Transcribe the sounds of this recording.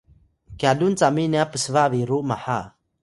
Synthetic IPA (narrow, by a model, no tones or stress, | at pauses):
kjadunt͡saminiapəsvaviɾuʔmaħa̰